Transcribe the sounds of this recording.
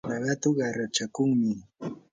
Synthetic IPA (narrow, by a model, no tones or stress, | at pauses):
naɢɑt̪ʊɢɑɾat͡ʃakʊŋmɪ